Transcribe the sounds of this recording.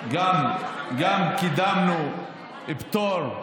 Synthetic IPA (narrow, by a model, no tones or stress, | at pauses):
ɡamɡamkid̪amnu | ibt̪oɾ